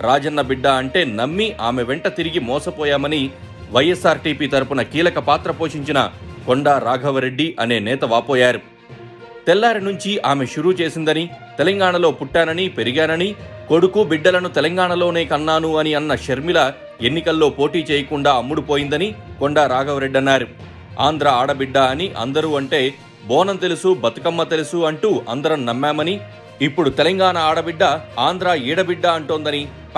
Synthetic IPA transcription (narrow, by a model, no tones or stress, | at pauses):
ɾaːd͡ʒɐnːɐbiɖːɐɐɳʈe̞ːnɐmːiʔaːmeʋɛɳʈɐt̪iɾiɡimɔːsɐpɔːjaːmɐni | ʋɐjesaːɾʈiːpiːt̪ɐɾupunɐkiːlɐkɐpaːt̪ɾɐpo̞ːʃiɲt͡ʃinɐ̰koɳɖaːɾaːɡʱɐʋɐɾeɖːiʔɐne̞ːnɛːt̪ɐʋaːpɔːjaːɾu | t̪ɛlːaːɾinuɲt͡ʃiaːme̞ʃuɾuːt͡ʃe̞ːsind̪ɐnit̪ɛlɐŋɡaːɳɐlo̞ːpuʈːaːnɐnipe̞ɾiɡaːnɐniko̞ɽukubiɖːɐlɐnut̪ɛlɐŋɡaːɳɐlo̞ːne̞ːkɐnːaːnuɐniɐnːɐʃeɾmilɐ | e̞nːikɐlːo̞ːpo̞ːʈiːt͡ʃɛːjɐkuɳɖaːɐmːuɽupoːjind̪ɐnikoɳɖɐɾaːɡɐʋɾe̞ɖːɐnːaːɾu | a̰ːnd̪ɾaːaːɽɐbiɖːɐːniʔɐ̰nd̪ɐɾuːɐɳʈe̞ː | bɔːnɐmt̪elusubɐt̪u̥kɐmːɐt̪e̞lusuɐɳʈuːʔɐ̰nd̪ɐɾɐmnɐmːaːmɐni | ipːuɽut̪elɐŋɡaːɳɐaːɽɐbiɖːɐaːnd̪ɾaːiːɽɐbiɖːɐɐɳʈoːnd̪ɐni